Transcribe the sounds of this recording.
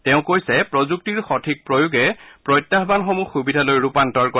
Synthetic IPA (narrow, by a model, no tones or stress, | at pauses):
tɛʊ̃kojsɛpɹɔzuk̚tiɹxɔtʰik̚pɹojuɡɛpɹɔjtːaɦbanxɔmuxubidʱalojɹupantɔɹkɔ